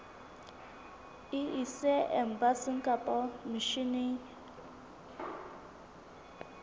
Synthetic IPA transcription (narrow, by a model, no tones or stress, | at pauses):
iʔisɛʔɛm̩basiŋ̩kʼapʼɔmiʃini